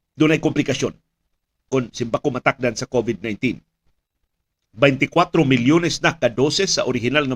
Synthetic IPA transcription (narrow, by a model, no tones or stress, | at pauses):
d̪ʊnajkʊmplɪkasjon | kʊnsɪmbakomat̪ak̚d̪ansɐkovɪd̪̚najnt̪in | bɛjnt̪ɪkwat̪ɾomɪljonɛsnakad̪osɛsːaʔoɾɪɦɪnalŋɐ